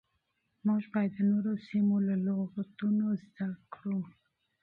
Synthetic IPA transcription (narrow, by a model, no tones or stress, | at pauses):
mɑʒbɑjd̪ənoɾosimolaloɣat̪unozd̪akkɽum